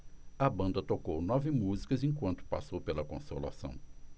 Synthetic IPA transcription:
ɐbɐ̃nd̪ɐt̪okownɔvɪmuzikɐzẽj̃kwɐ̃nt̪ʊ̥pasowpelɐkõ̰sola̰sɐ̰̃w̃

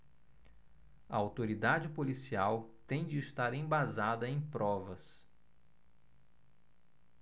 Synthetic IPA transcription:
ɐawt̪oɾid̪ad͡ʒɪpolisiawt̪ẽj̃d͡ʒɪːst̪aɾẽj̃bazad̪ɐẽj̃pɾɔvɐs

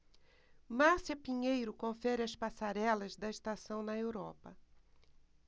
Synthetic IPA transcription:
masiɐpiɲejɾʊkõfɛɾɪɐspasaɾɛlɐzd̪ɐɪst̪asɐ̃w̃nɐewɾɔpɐ

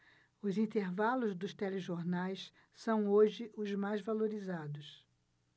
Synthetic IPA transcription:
ʊzĩnt̪eɾvalʊzd̪ʊst̪eleʒoɾnajs | sɐ̃w̃oʒɪʔʊzmajzvaloɾizad̪ʊs

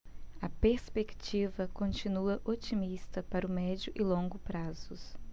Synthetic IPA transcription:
ɐpeɾspekt͡ʃivɐkõnt͡ʃinuɐʔot͡ʃimist̪ɐpaɾʊmɛd͡ʒʊʔɪlõŋɡʊpɾazʊs

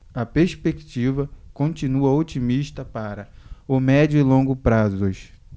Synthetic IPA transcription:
ɐpeɾspekt͡ʃivɐkõt͡ʃĩnuɐot͡ʃimiʃt̪ɐpaɾɐʊmɛd͡ʒʊɪlõɡʊpɾazʊʃ

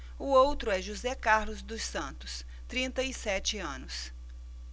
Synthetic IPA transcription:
ʊowt̪ɾʊɛʒuzɛkaɾlʊzd̪ʊsɐ̃nt̪ʊ̥s | t̪ɾĩnt̪ɐisɛt͡ʃɪɐ̃nʊs

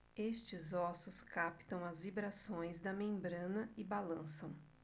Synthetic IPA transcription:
est͡ʃɪzɔsʊskapt̪ɐ̃w̃ɐzvibɾasõj̃zd̪ɐmẽmbɾɐ̃nɐɪbalɐ̃sɐ̃w̃

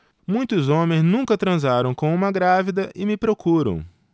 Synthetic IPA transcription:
mũj̃t̪ʊzõmẽj̃znũŋkɐt̪ɾɐ̃zaɾɐ̃w̃kõũmɐɡɾavid̪ɐʔɪmɪpɾokʰuɾɐ̰̃w̃

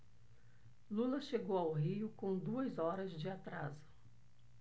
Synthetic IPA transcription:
lulɐʃeɡowawɦiʊkõw̃d̪uɐzɔɾɐzd͡ʒɪat̪ɾazʊ̥

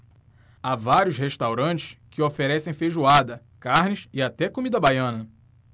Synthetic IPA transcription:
avaɾjʊsheʃt̪awɾɐ̃nt͡ʃɪ̥ʃkɪofeɾɛsẽj̃feʒuad̪ɐ | kaɾnɪsɪat̪ɛkomid̪ɐbajɐ̃nɐ

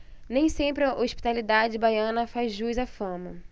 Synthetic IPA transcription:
nẽj̃sẽmpɾɪɐʔoʃpi̥t̪alid̪ad͡ʒɪbajɐ̃nɐfazʒuzafɐ̃mɐ

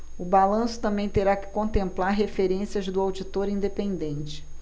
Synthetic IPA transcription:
ʊbalɐ̃sʊ̥t̪ɐ̃mbẽj̃t̪eɾakɪ̥kõnt̪ẽmplaɾɦefeɾẽsiɐzd̪ʊawd͡ʒit̪oɾĩnd̪epẽnd̪ẽnt͡ʃɪ̥

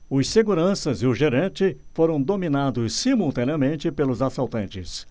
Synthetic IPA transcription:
ʊsseɡuɾɐ̃sɐzɪʊʒeɾɐ̃nt͡ʃɪfoɾɐ̃w̃d̪omĩnad̪ʊsːimult̪ɐ̃niɐmẽnt͡ʃɪpelʊzasawˠt̪ɐ̃nt͡ʃɪ̰s

